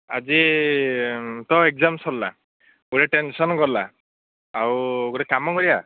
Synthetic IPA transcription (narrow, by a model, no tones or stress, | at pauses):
a̰zi | t̪ɔek̚zamsɔlla̰ | uɾeʈensɔnkɔɾlaː | wɡɔɾɛkamɔkɔɾia